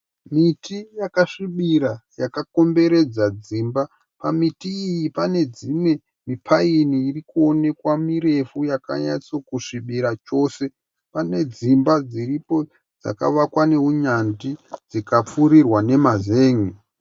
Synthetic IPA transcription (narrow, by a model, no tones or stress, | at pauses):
mitijakaʂiɓiɾajakako̞mbe̞ɾe̞d͡zad͡ziːmba | pamitiːjipane̞d͡zimwe̞ | mipʰainiːrikuo̞ne̞kwamiɾe̞fujaka̰ɲa̰t͡sokuʂiɓiɾat͡ʃo̞se̞ | pane̞d͡zimbad͡ziripo̞ | d͡za̰ka̰ʋakwane̞ɦuɲandid͡zikap͡fuɾirwane̞mazeːŋi